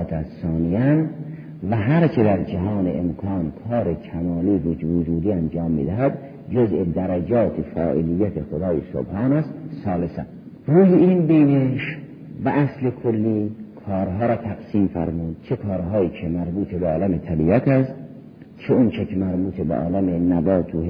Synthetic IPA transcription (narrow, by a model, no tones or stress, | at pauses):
t̪ʰæssɑːnijænd̪ | væɦæɾt͡ʃʰed̪æɾd͡ʒæɦɑːneemkʰɑːnkʰɑːɾekʰæmɑːliːvod͡ʒvod͡ʒuːd̪iːænd͡ʒɑːmːḭd̪æɦæd̪ | d͡ʒozʔed̪æɾæd͡ʒɒːt̪ʰefæ̰ːʔḭlijːæt̪ʰexod̪ɑːjeso̰bhɑːnæst̪sɑːlesæ̰ | ɾuːjeinbeːneʃ | væʔæslekʰolːiːkʰɒːɾɦɒːɾɒːt̪ʰæɡsiːmfæ̰ɾmuːd̪̥̚t͡ʃʰekʰɒːɾɦɑːjiːkʰemæɾbuːt̪ʰebeɒːlæmet̪ʰælijɑːk̪ʰæst̪ | t͡ʃʰeont͡ʃʰekʰemæɾbuːt̪ʰebeʔɒ̰ːlæmenæbɒːt̪ʰo